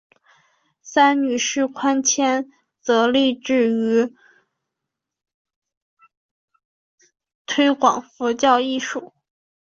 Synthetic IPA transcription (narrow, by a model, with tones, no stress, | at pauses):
sa˥nny˨˩ʂɻ̩˥˩kʰwa˥nt͡ɕʰjɛ˥n | t͡sɤ˧˥li˥˧ʈ͡ʂɻ̩˥˩y˧˥ | t̪ʰwe˥ɪkwɑ˨˩ŋfɔ˧˥t͡ɕjɑ˥˧ʊi˥˧ʂu˥˩˦